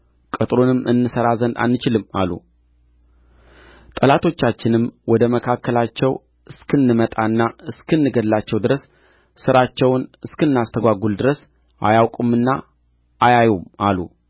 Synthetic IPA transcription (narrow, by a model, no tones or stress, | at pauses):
kʼət̪ʼɾonɨmʔɨnːɨsəɾazənd̪a̰nːɨt͡ʃɪlɨma̰lːṵ | t̪ʼəlat̪ʰo̞t͡ʃːat͡ʃːɪnɨmwɔd̪əməkʰakːəlat͡ʃːɛw | ɨskʰɨnːɨmət̪ʼaɨnːaɨskʰɨnːɨɡəd̪lːat͡ʃːɛwd̪ɨɾəsː | ɨɾat͡ʃːɛwnɨskɨnːast̪ʰəɡʷaɡuld̪ɨɾəs | ʔa̰jawkʼumːɨnːa | ʔːjajumalṵ